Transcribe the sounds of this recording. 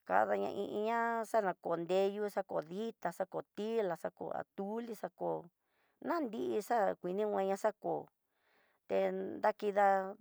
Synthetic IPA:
ka̰˧ða˧ɲã̰˧ʔĩ˧ʔi˧ɲã˦ʂa˦nã˧ko˨nd̪e˧ju˦˧ʂa˦ko˨ði˦t̪a˧ʂa˦ko˨t̪i˦la˨ʂa˦ko̰˧˨a̰˨t̪u˦li˦ʂa˧ko˨ | nã˦nd̪i˦ʔi˧ʂa˦kʷi˨nĩ˦wʷẽ˧ɲã˧ʂa˦ko˨ | t̪e˧nd̪a˦ki˧ða˧

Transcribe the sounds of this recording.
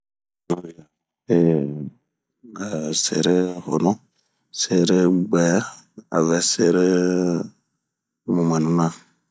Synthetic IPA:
na˨wi˨a˨ | e˨ | ɡa˨sḛ˨ɾe˦ho̰˨nɔ˦ | se˨ɾe˦ɡ͡bɛ˨˦a̰˨vɛ˨se˦ɾe˦ | mu˨mɛ˨nũ˦nã˦

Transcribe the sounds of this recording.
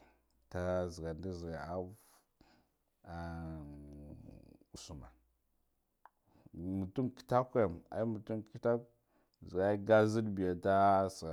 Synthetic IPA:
ta˦zi˨ɡa˨ndi˦zi˨ɡa˨a˦v | a˨ | u˨su˨ma˨ | mu˨tu˦nki̥˦ta˦ka˦˨ma̰˨i˦mu˨tu˦nki˦ta˦k | zi˨ɡa˦i˦ɡa˦zi˦dbi˨ja˨ta˦sɡa˨

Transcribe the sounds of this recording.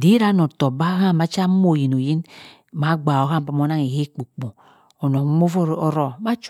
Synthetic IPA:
di˨˦ɾa˦no˨to˨ba˦ha˦˨ma˨˦t͡ʃa˦m˦o˦˨ji˨no˨ji˦n | ma˨˦ɡ͡ba˨o˨ha˦m˨pa˨m˦o˦na˦ŋe˨he˦k͡po˨k͡po˨ | o˨no˨˦mo˦fo˦o˦ɾɔ˦ma˦t͡ʃ

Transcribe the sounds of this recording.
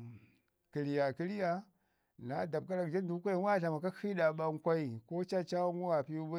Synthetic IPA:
ki˨li˨ja˨ki˦li˦ja˦ | na˨˦da˨b̚ka˦ɾa˨kd͡ʒa˦n˦du˨˦kʷa˦i˦wa˦˨ɬa˨ma˨ka˦i˦ɗa˨ɓa˦ŋ˦kʷa˦i˨ko˦t͡ʃa˦t͡ʃa˦wŋu˦wa˨pi˦u˦ba˦

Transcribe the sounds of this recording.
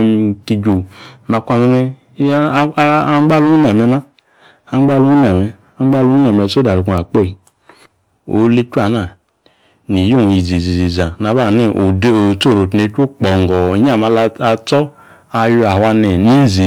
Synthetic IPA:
m˨ki˨d͡ʒo˨ma˧kʷa˧mu˧mɛ˦ | a˦ɡ͡ba˦lu˦na˨mɛ˨˧na˦ | a˨ŋ͡mɡ͡ba˦lu˦n˦a˨mɛ˨ | a˨˦ŋ͡mɡ͡ba˦lu˦u˦na˨mɛ˨so˦da˨ɾu˨ku˨a˨k͡po˦˨i˨ | o̰˨˦le˦t͡ʃu˦a˨na˨ | ni˨jo˦˨i˨zi˨zi˨zi˨za˨na˨ba˦˨ne˦˨ʔo˨do˨t͡so˦˨ɾo˨tne˨˧˦t͡ʃo˦k͡pɔ˨ŋ˨ɡɔ˨ɲ˦a˦˨ma˧la˧t͡sɔ˦ | a˧ju˧˦a˨˦a˧nɛ˨ni˦zi˨

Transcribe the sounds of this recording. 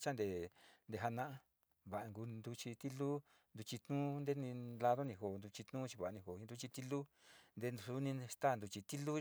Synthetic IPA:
t͡ʃa˦nd̪e˨nd̪e˧˨ɦa˧nã˦ʔa˧ | βa˨ʔa˧ŋɡu˧nd̪u˧t͡ʃi˧t̪i˦lu˦ | nd̪u˧t͡ʃi˧t̪nũ˦nd̪e˦nĩ˧la˧ðo˦nĩ˧ɦo˨nd̪u˧t͡ʃi˧t̪nũː˦t͡ʃi˧βa˨a˧nĩ˧ɦo˨i˧nd̪u˧t͡ʃi˧t̪i˦lu˦nd̪e˧nu˧su˦nĩ˧st̪a˦˨nd̪u˧t͡ʃi˧t̪i˦lu˦

